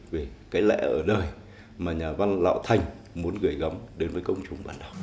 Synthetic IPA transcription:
ve˨˩kaː˨˦jlɛ̰˧˨ʔəː˧˩ɗəː˨˩j | maː˨˩ɲaː˨˩va˧nla̰ː˧˨wt̪ʰa˨˩jŋ̟mu˨˦ənɣɨ˧˩jɣə˨˦mɗe˨˦nvəː˨˦jkə˧wŋ͡mt͡ɕʊ˨˩ŋ͡mɓaː˧˩nɗa˨˩w

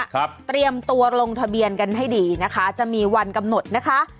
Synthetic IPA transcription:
t̪ɾi˧əmt̪u˧ɐɾo˧ŋt̪ʰa˧bi˧ənka˧nɦa˥˩jdiː˧na˦˥kʰa˦˥t͡ɕa˨˩ʔmiː˧wa˧nka˧mno˨˩t̪̚na˦˥kʰa˦˥ʔ

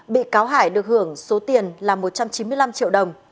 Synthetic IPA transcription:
ɓḭ˧˨kaː˨˦wɦaː˧˩jɗɨ˨˩ək̚hɨ˧˩əŋso˨˦t̪i˨˩ənlaː˨˩mo˨˩t̚t͡ɕa˧mt͡ɕi˨˦mɨ˧əjla˧mt͡ɕḭ˧˨əwɗə˨˩wŋ͡m

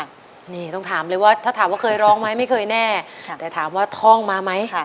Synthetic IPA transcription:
niː˧˥˩t̪ɔ˥˩ŋt̪ʰaː˩˦mlɤː˧jwaː˥˩t̪ʰa˥˩aː˨˩˦waː˥˩kʰɤː˧jɾɔː˦˥ŋma˦˥jma˥˩jkʰɤː˧jnɛː˥˩t̪ɛː˨˩t̪ʰaː˨˩˦mwaː˥˩t̪ʰɔː˥˩ŋmaː˧ma˦˥j

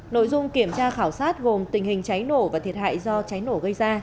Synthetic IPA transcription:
no̰˧˨jzʊ˧ŋ͡mki˧˩əmt͡ɕaː˧xaː˧˩wsaː˦˥t̚ɣo˨˩mt̪ï˨˩ŋ̟hï˨˩ŋ̟t͡ɕa˨˦jno˧˩vaː˨˩t̪ʰi˨˩ət̚ha̰ː˧˨jzɔ˧t͡ɕa˨˦jno˧˩ɣə˧jzaː˧

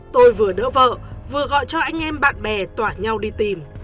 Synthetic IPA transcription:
t̪o˧jvɨ˨˩əɗə̰ː˧˥və̰ː˧˨vɨ˨˩əɣɔ̰˧˨jt͡ɕɔ˧ʔa˧jŋ̟ʔɛ˧mɓa̰ː˧˨nɓɛ˨˩t̪waː˧˩ɲa˧wɗi˧t̪i˨˩m

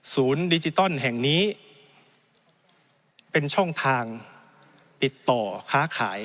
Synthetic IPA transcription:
suː˩˦ndi˧t͡ɕi˧t̪ɔ˥˩˨nɦɛ˨˩ŋniː˦˥ | pe˧nt͡ɕʰɔ˥˩ŋt̪ʰaː˧ŋ | pi˨˩t̪ːɔː˨˩kʰaː˦˥kʰa̰ː˩˦j

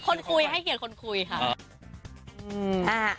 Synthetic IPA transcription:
kʰo˧nkʰu˧jɦa˥˩jkʰi˨˩˦t̚kʰo˧nkʰu˧jkʰa˥˩ | ʔɯː˧ʔaː˧˩

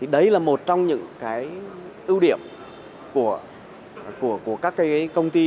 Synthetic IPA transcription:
t̪ʰi˨˩ɗə˨˧jlaː˨˩mo˨˩t̚t͡ɕɔ˧wŋ͡mɲɨ̰˧˥ŋkaː˨˦jʔɨ˧wɗi˧˩əm | ku˧˩ə | ku˧˩əku˧˩əkaː˦˥kːaː˨˦˨kə˧wŋ͡mt̪i˧

